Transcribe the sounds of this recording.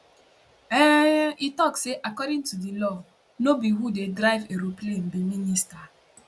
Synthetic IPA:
ɛʔitɔkseʔakɔdɪ̃ŋtudilɔ | nobiɦudedɾaɪveɾoplem̩biminista

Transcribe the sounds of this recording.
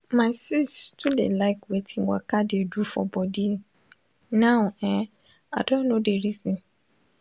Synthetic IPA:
maɪsistulḛlaɪkwetʰĩwa̰kadeedufɔ̰bɔdi | nãʊɛ̃ | adõnnodeɾizĩn

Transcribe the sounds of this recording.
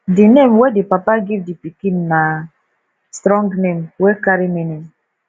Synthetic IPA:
dinemwedipapaɡivdipikinːa | stɾɔ̃ŋɡnemwekaɾimenem

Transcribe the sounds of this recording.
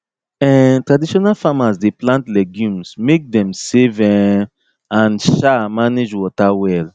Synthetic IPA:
ɛtɹadiʃɔnalfamasdeplãntlɛɡjũmsmek̚dɛ̃msevɛ | ãnʃamaned͡ʒwɔtawɛl

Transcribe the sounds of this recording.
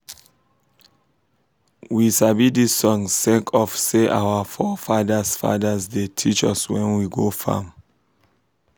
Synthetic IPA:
wisabidisːɔ̃ŋssɛ̃ŋkʰɔfseʔawəfɔfadəsfa̰dəsdetʰit͡ʃɔ̰swɛ̃nwiɡofã̰m

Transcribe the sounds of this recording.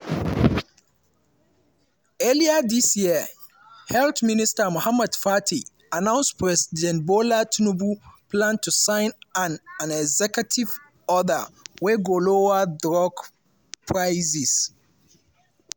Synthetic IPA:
ɛliadisjiə | hɛltmĩnistamohamɛd̥fatʰi | anãʊ̃nspʰɹɛsidɛ̃ntbolatʰunubupʰlãntʰusãɪ̃nãnãnɛɡzɛkutʰiv | ɔda̰wɛɡolowadɹɔɡ | pʰɹaɪzis

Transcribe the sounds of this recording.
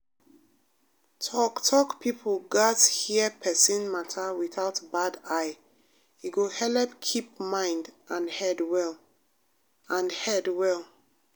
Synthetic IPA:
tʰɔktʰɔkpipʰəl̩ɡathiəpʰɛsĩnmatʰawiθaʊtbadaɪ | iɡohɛlɛp̚kʰipmãɪ̃ndʔãnhɛdwɛl | ãnhɛdwɛlˠ

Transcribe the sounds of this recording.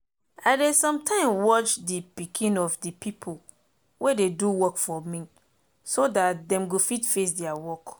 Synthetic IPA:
aɪdesɔ̃mtʰãɪ̃mwɔt͡ʃdipikʰĩnɔfdipʰipʰol | wededuwɔkfɔmĩ | sodat̚dɛ̃mɡofitfes̬dɛawɔk

